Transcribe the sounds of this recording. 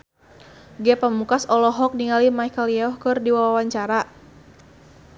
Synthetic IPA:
ɡɛpəmukasɔlɔɦɔk̚niŋalimajkəljɛɔhkɨrdiwawawaɲt͡ʃaɾa

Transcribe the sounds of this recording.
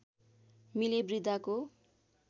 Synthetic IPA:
milebrid̪ako

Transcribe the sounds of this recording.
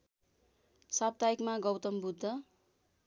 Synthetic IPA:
sab̚t̪aikmaɡʌwt̪ʌmbud̪ʱːʌ

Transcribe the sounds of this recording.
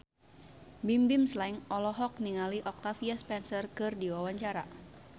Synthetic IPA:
bimbimslaiŋɔlɔɦɔk̚niŋaliʔɔk̚t̪afiaspɛnsərkɨrdiwawaɲt͡ʃaɾa

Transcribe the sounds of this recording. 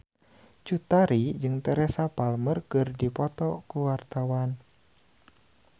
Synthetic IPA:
t͡ʃut̪aɾid͡ʒɨŋt̪ɛɾɛsapalmərkɨrdipɔt̪ɔkuwart̪awan

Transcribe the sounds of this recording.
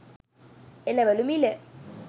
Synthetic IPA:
elɐʋɐlumile

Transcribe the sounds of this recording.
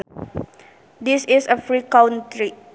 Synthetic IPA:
d̪isisəfɾikawnʈɾi

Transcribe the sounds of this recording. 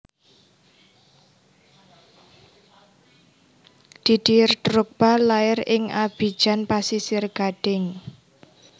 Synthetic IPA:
d̪̥i̤d̥irt̪ɾʊk̚b̥a̤laɪrɪŋʔab̥i̤d̥ʒ̥anpasisɪrɡ̥a̤ɖ̥ɪŋ

